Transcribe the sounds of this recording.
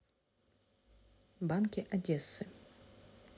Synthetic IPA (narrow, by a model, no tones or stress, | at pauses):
bankʲɪʔɐdʲesːɨ